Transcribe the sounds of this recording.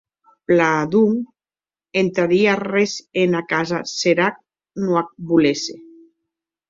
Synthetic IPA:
plaðuŋ | ent̪ɾaɾiarezenakazaseɾak̚ | nuak̚bulese

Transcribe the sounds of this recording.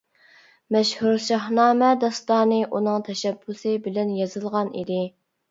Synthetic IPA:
mɛʃhuɾʃɑhnɑːmɛd̪ɑst̪ɑːnɨʔunɨŋt̪ʰɛʃɛbːusɨbɪlɛnjɑzɨlˠʁɑnʔḭd̪ɪ

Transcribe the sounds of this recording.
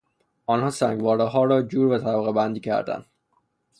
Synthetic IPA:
ɒːnhɒːsæŋɡvɒːɾeɦɒːɾɒːd͡ʒuːɾvæt̪ʰæbɣebænd̪iːcʰæ̰ɾd̪æ̰nd̪̥

